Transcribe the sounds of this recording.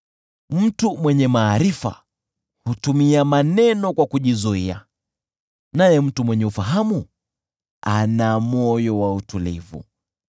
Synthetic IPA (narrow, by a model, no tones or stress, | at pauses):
m̩tumwɛɲɛmaːɾifa̰ | hutumiamanɛnɔkwakuʄizuia | najɛm̩tumwɛɲɛufaɦamu | anamɔjɔwautulḭvṵ